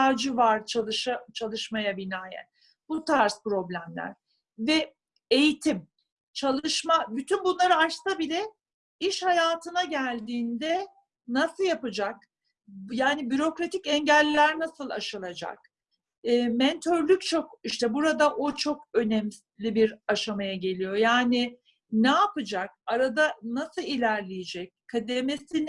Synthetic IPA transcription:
ad͡ʒɯvaɾt͡ʃʰalˠɯʃat͡ʃʰalˠɯʃmajabinaːjæ̰n | but̪ʰaɾspɾo̞blʲæmlʲæ̰ɾ̥ | vɛ | ejit̪ʰim | t͡ʃʰalˠɯʃmabyt̪ʰynbunlˠaɾɯat͡ʃsabilʲɛ | iʃhajaːt̪ʰɯnaɟælʲd̪iːnd̪ɛ | nasɯlˠjapɯd͡ʒak | jaːnibyɾo̞kɾat̪ʰicɛɲɟælʲːæɾnasɯlˠa̰ʃɯlˠad͡ʒa̰k̚ː | mɛnt̪ʰøɾlʲyc̚t͡ʃʰo̞kiʃt̪ɛbuɾad̪aʔot͡ʃʰo̞kø̞nɛm | lʲibiɾaʃamajaɟe̞lʲijo̞jaːnɪ | nɛapɯd͡ʒak̚aɾad̪anasɯilʲæɾlʲejed͡ʒɛc̚kʰːad̪emesin

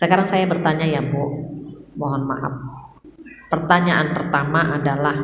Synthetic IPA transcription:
səkaɾaŋsajabərt̪aɲajabɔ | mɔɦɔnma̰ʔa̰f̚ | pərt̪aɲaʔanpərt̪amaʔadalah

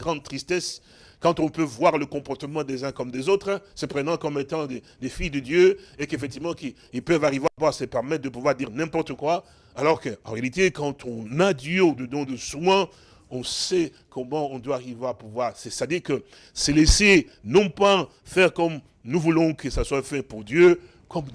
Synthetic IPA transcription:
ɡʁɑ̃d̪̚t̪χist̪ɛs | kɑ̃t̪ɔ̃pøvwaʁləkɔ̃pɔʁt̪əmɑ̃d̪ezɛ̃kɔmd̪ezot̪χsɛpχenɑ̃kɔmet̪ɑ̃d̪e | d̪efijd̪əd̪jøekefɛk̚t̪ivmɑ̃ki | ilpœvaʁiveapuvwaʁsəpɛʁmɛt̪̚d̪əp̬uvwaʁd̪iʁnɛ̃pɔʁt̪əkwa | alɔʁkəɑ̃ʁealit̪ekɑ̃t̪ʰɔ̃nad̪jød̪əd̪ɔ̃d̪əswɛ | ɔ̃sɛ | kʰɔ̃mɑ̃ɔ̃d̪waːʁiveapuvwaʁsɛst̪ad̪iʁkə | sɛlese | nɔ̃pa | fɛʁkɔm | nuvulɔ̃kəsaswafɛpuʁd̪jø | kɔm

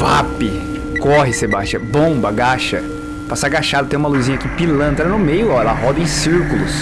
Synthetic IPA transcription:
va̰pɪ | kɔɦɪsebaʃt͡ʃɐ̃bõbɐɡaʃɐ̰ | pasaɡaʃad̪ʊt̪ẽj̃ũmɐluzĩɲɐakipilɐ̃nt̪ɾɐnʊmejʊɔɛlɐ̰ɦɔd̪ɐẽj̃siɾkulʊ̰s

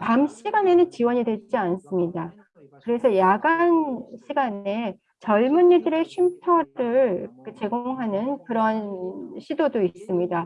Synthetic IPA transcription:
pamɕ͈ʰiɡane̞nɯnt͡ɕiwʌɲidwe̞t͡ɕ͈ians͈ɯmɲida | kɯɾe̞sʰʌjaɡanɕʰiɡane̞ | t͡ɕʌɭmunːidɯɾe̞ɕʰimtʰʌɾɯɭkɯt͡ɕe̞ɡoŋɦanɯnkɯɾʌnɕʰidodois͈ɯmɲida

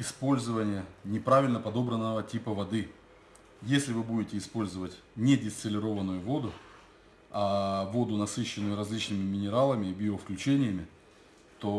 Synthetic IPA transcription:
ɪspo̞lʲzəvənʲɪjənʲɪpɾavʲɪlʲnəpɐd̪o̞bɾənːəvətʲipəvɐd̪ɨ | jesʲlʲɪvɨbudʲɪtʲɪːspo̞lʲzəvətʲnʲedʲɪst̪ʲəlʲɪɾo̞vənːʊjʊvo̞d̪ʊ | avo̞d̪ʊnɐsɨɕːɪnːʊjʊɾɐzʲlʲit͡ɕnɨmʲɪmʲɪnʲɪɾalˠəmʲɪːbʲɪofklʲʉt͡ɕenʲɪjəmʲɪ | t̪o̞

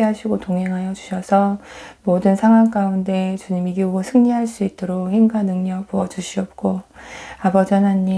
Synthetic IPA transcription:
eɦaɕʰiɡotoŋɦe̞ŋɦajʌd͡ʑu̥ɕʰʌsʰʌ | modɯnsʰaŋwaŋk͈aunde̞t͡ɕuɲimiɡioɡosʰɯŋɲiɦaɭs͈uit͈oɾokhiŋɡanɯŋɲʌk̚puʌd͡ʑuɕʰiʌp̚k͈oabʌd͡ʑʌnɦaɲːi

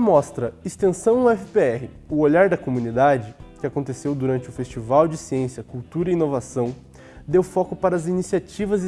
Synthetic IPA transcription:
mɔst̪ɾɐɪst̪ẽsɐ̃w̃ʊɛfɪpeɛɦɪ | ʊoʎaɾd̪ɐkomunid̪ad͡ʒɪkɪakõnt̪esewd̪uɾɐ̃nt͡ʃɪʊfest͡ʃivawd͡ʒɪsiẽsjɐkuwt̪uɾɐiinovasɐ̃w̃ | d̪ewfɔkʊpaɾɐːzinisiat͡ʃivɐz

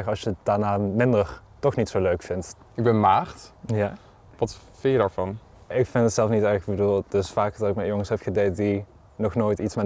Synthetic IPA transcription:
xɑlsjəət̚d̥aɹnaːmɪndər | tɔxnitsowløɥkfɪnt | ɪɡ̚bɛnmaːrtja | ʋɑt | fɪjədaːɹvɑn | ɪkfɪntətsɛlˠfnitɛbəduːlˠdəsfaːkdɑtɪkmɛjjoŋəsɦɛpxədejtdi | nɔxnoːjtitsma

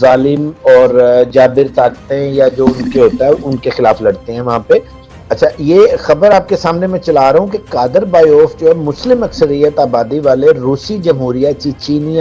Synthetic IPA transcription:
zaːlɪmɔːɾd͡ʒaːbɪɾt̪aːk̚t̪eɦɛ̃jad͡ʒoːʊnkeɦoːt̪aɦɛʊnkexɪla̰ːflɐɽt̪eɦɛ̃ʋɐɦãpe | ɐtːʃʰajeːxɐbəɾaːp̚kesaːmnemɛ̃t͡ʃɐlaːɾɐɦũkekaːd̪əɾbaːiɔːfd͡ʒoːɦɛmʊslɪmɐksəɾijət̪aːbaːd̪iʋaːleɾuːsid͡ʒɐmɦuːɾijat͡ʃit͡ʃiːni

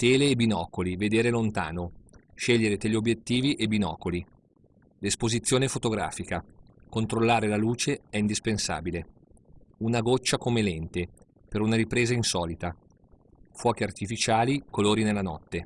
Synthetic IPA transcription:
t̪eːleːbinɔːkolived̪eːɾelont̪a̰ːnoʃeʎːeɾet̪ɛʎːiobjet̪ːiːviʔebinɔ̰ːkoli | lespozit̪sːjoːnefot̪oɡɾa̰ːfikakont̪ɾolːaːɾelaluːt͡ʃeɛind̪ispensa̰ːbile | unaɡot͡ʃːakomelɛnt̪e | peɾunaɾipɾeːzainsɔːlit̪a | fwɔːk̟eart̪ifit͡ʃaːlikoloːɾinelːanɔ̰t̪ːe

